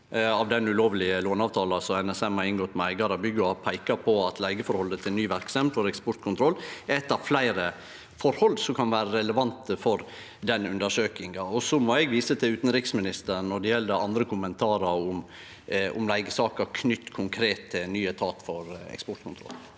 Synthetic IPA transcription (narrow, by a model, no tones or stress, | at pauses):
ɑʋd̪ɛnʉloːʋlɪəloːnɑːʋt̪ʰɑːlɑsɔɛnɛsɛmhɑɾɪŋɡɔt̪ːmɛæɪɡɑɾɑbʏɡɑpʰæɪkɑpʰɔɑt̪ʰlæɪɡəfɔɾhɔlːət̪ʰɪlnyːʋæɾksɛmfɔɾɛkspɔʈ̪̚kʰʊnt̪ʰɾɔlːɛt̪ːɑʋflæɪɾə | fɔɾhɔld̪sɔkʰɑnʋæːɾəɾɛləʋɑnt̪əfɔɾ | d̪ɛnʉnd̪əʂøːkɪŋɑɔsɔmɔɛɡʋiːsət̪ʰɪʉːt̪nɾɪksmɪnɪst̪əɾnɔɖɛjɛlːd̪əɾɑ̰nd̪ɾəkʰʊmənt̪ʰɑːɾəɾʊm | ʔʊ̰mlæɪɡəsɑːkəɾkʰnʏt̪ːkʰʊŋkʰɾeːt̪ʰːɪlnyːət̪ʰɑːt̪fɔɾɛ̰kspɔʈkʰʊnt̪ʰɾɔ̰l